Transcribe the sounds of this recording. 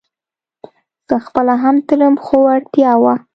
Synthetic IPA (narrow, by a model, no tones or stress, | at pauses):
z̥əxpəlaɦamt̪əɾəmxoaɽt̪jɑwa